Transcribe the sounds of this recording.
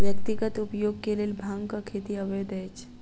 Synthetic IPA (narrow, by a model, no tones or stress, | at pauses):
ʋjəkt̪iɡət̪upjoɡ̚kelelbʱaŋkəkʰet̪iəʋed̪əjt͡ʃ